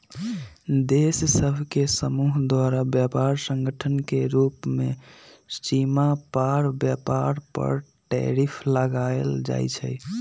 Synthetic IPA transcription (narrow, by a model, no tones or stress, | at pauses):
d̪essəbʱkesəmuɦd̪waɾabjapaɾsə̃ŋɡəʈʰənkeɾupmest͡ʃimapaɾbjapaɾpə̰ɾʈɛ̰ɾipʰləɡaeld͡ʒa̰jt͡ʃʰɛ̰j